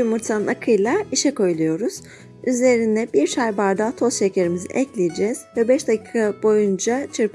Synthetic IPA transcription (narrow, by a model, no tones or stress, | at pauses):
umuɾt̪ʰanɯnakʰɯjlˠaiʃɛko̞jlˠujo̞ɾuz̥ | yzleɾind̪ɛbiɾʃajbaɾd̪at̪ʰo̞sʃecʰe̞ɾimizḭʔɛclʲijed͡ʒɛz̥vɛbɛʃd̪acʰi̥ːkʰabo̞jund͡ʒat͡ʃʰɯɾp